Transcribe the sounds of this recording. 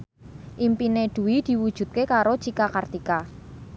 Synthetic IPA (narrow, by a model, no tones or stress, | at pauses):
ʔimpineɖ̪̥ṳwid̪̥i̤wud̥ʒ̥ṳt̪̚kekaɾo̥t͡ʃikakart̪ika